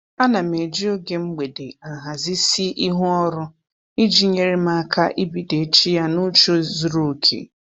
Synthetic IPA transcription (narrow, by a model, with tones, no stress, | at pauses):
a˦na˨me˨d͡ʒi˦o˦ɡe˨ŋ͡m̩˦ɡ͡be˨de˨a˨ɦa˨zi˦si˦ʔi˦ɦu˦ɔ˦ɾʊ˦ | i˦d͡ʒi˦ɲe˨ɾe˦ma˦kʰa˦ʔi˦bi˨de˨˦t͡ʃi˦ja˦nʊ˦t͡ʃo˦zu˨ɾo˨kʰḛ˨